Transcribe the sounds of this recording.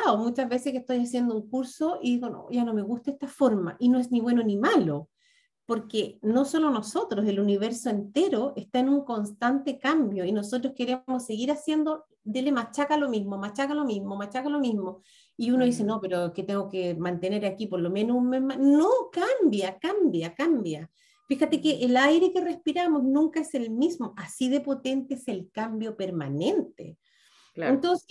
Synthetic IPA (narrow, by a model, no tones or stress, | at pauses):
omut͡ʃazβesehkest̪o̞jasjend̪ouŋkuɾsoiðiɣono̰ʝano̞me̞ɣust̪aest̪afoɾma̰ʔino̞ezniβwe̞nonimalo | poɾkeno̞so̞lono̞so̞t̪ɾo̞se̞luniβeɾsoent̪e̞ɾoʔest̪aenuŋko̞nst̪ant̪e̞kambjo̞ino̞s̬ot̪̬ɾoske̞ɾemosːe̞ɣiɾasje̞nd̪o | d̪elemat͡ʃakalo̞mizmomat͡ʃakalo̞mizmomat͡ʃakalo̞mizmo | iunoðiseno̞peɾoket̪eŋɡokemant̪e̞ne̞ɾakipoɾlo̞me̞nomemanokambjakambjakambja | fixat̪ekeʔːlajɾe̞kere̞spiɾamo̞snũŋkaeselmismo̞ʔasiðe̞po̞t̪e̞nt̪eese̞lkambjo̞pe̞ɾmane̞nt̪ḛ | ent̪onse